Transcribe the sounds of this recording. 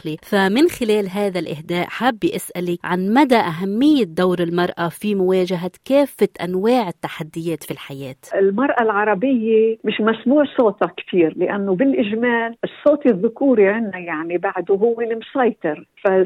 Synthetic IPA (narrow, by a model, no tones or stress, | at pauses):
qlifamɪnxɪleːlɦaːðalʔɪ̰hd̪eːʔħabːjʔasʔaliʕanmad̪aʔaɦamːɪjːɪd̪awɾɪlmɑɾˤʔafimʊwaːʒaɦakeːfːat̪ʔa̰nwaːʕɪt̪ːaħad̪ːɪjeːt̪filħajeːt̪ɪlmɑɾˤʔalʕɑɾˤɑbɪjːemɪʃmasmuːʕsˤoːt̪ɑkt̪iːɾlɪʔanːobɪlʔɪʒmaːlɨsˤːoːt̪iðːʊkuːɾiʕɪnːajaʕnibaʕd̪uɦʊwːelɪmsɑjt̪ˤɪɾfa